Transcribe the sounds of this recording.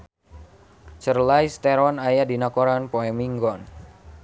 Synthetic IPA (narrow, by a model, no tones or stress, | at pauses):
t͡ʃərlaist̪ɛɾwanajadinakoɾanpoɛmiŋɡɔn